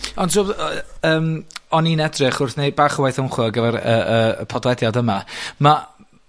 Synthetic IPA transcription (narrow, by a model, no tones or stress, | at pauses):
ɔnʃʊəːmɔninɛdrɪχʊrθnejbaːχəwajθənχwɪɡəvɛɾəəə̰pʰɔdwɛdjadəmama